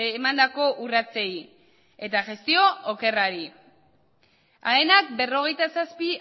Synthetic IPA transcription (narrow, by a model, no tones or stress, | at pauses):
mand̪ako̞ʔurat͡se̞j | e̞t̪aʝe̞st̪io̞ːke̞raɾi | aenak̚be̞ro̞ɣ̞e̞jt̪asaspi